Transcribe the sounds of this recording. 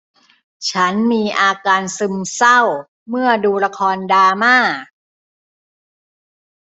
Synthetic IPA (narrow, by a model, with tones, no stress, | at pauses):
t͡ɕʰa˦˥nmiː˧ʔaː˧kaː˧nsɯ˧msa˥˩w | mɯ˥˩ɐduː˧la˧kʰɔː˧ndaː˧maː˥˩